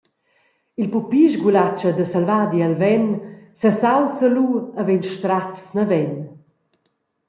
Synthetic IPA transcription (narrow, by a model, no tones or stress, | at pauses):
ilpupiʒɡulat͡ʃəd̪əsalvaːd̪ialvɛnsasawt͡səluəvenʃt̪ɾat͡snəvɛn